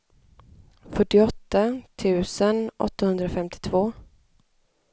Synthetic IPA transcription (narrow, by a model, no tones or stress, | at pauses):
fœʈːɪɔt̪ːat̪ʰʉ̟ːsənʔɔ̰t̪ːahɵnd̪ɾafɛmt̪ʰɪ̥t̪ʰvoː